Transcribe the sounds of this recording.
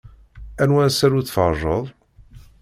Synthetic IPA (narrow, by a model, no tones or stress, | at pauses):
ænwæsæɾuθfəɾˤʒəðˤ